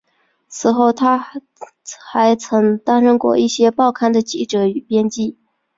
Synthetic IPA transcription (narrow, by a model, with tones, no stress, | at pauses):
t͡sʰɹ̩˧˥xo˥˩ʊt̪ʰa˥ | xa˧˥ɪt͡sʰɤ˧˥ŋt̪a˥nʂə˥nkwɔ̰˥˧i˥˩ɕjɛ˥pɑ˥˩ʊkʰa˥nd̪ə˨t͡ɕi˥˩ʈ͡ʂɤ˧˥y˨˩pjɛ˥nt͡ɕi˥˩